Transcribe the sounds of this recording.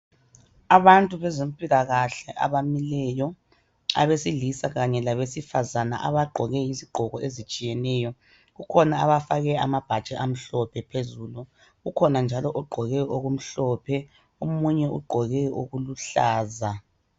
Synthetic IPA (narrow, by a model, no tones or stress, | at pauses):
aβantʼuβɛzem̩pʼilaɣaɬɛʔa̰βamilɛjɔ | a̰βesiɮisaɣaɲɛlaβesifazana̰ʔaβaɡ͡ǃʱɔɣɛjiziɡ͡ǃʱɔɣɔʔezit͡ʃʼijɛnɛjɔ | ɣukʰɔnaaβafaɣɛa̰mab̥ʱad̥t͡ʃʼɛʔam̩ɬɔpʰɛpʰezuːlu | ɣukʰɔnand͡ʒʱalɔʔɔɡ͡ǃʱɔɣɛoɣum̩ɬɔpʰɛ | omuɲɛṵɡ͡ǃʱɔɣɛoɣuluɬaːza